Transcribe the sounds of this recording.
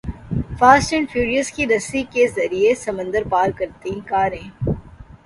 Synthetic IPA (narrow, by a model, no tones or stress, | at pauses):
faːsʈə̃ɳɖfuːɾijəzkiɾɐsikezɐɾiesɐmə̃nd̪əɾpaːɾkɐɾt̪ĩkaːɾẽː